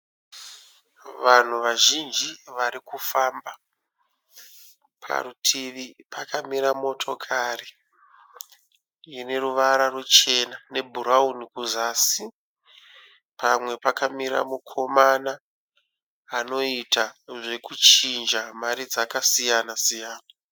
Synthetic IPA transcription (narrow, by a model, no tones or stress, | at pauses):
ʋan̤uʋaʒind͡ʒiʋaɾikufaːmba | pʰa̰ɾutʰiʋipʰakamiɾamo̞tʰo̞kʰari | ine̞ruʋaɾarwut͡ʃe̞nane̞bʱuɾaunikuzaːsi | pʰamwe̞pakamiɾa̰mukʰo̞mana | no̞itaʐe̞kut͡ʃind͡ʒamaɾid͡zakasijanasijaːna